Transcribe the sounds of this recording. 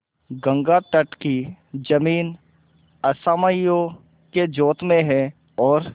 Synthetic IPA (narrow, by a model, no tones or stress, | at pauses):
ɡə̃ŋɡaʈəʈkid͡ʒɐmiːn | ɐsaːməjo | ked͡ʒoːt̪mẽɦɛ | ɔːɾ